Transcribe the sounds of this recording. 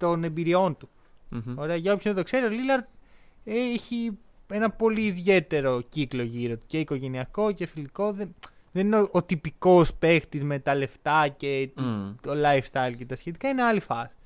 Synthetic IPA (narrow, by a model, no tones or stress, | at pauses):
t̪o̞ne̞mbiɾio̞nt̪u | o̞ɾe̞ɐʝɐopçonɐt̪o̞kse̞ɾiolilɐɾ | eçi | e̞nɐpo̞liːðʝe̞t̪e̞ɾo̞ciklo̞ʝiɾo̞t̪u̥ce̞iko̞ʝe̞niɐko̞ce̞filiko̞ðen | ðe̞nineoʔot̪ipiko̞spe̞xt̪izme̞t̪ɐle̞ft̪ɐce̞t̪it̪olɐjfst̪ɐjlcet̪ɐsçet̪ikɐineɐlifɐsi̥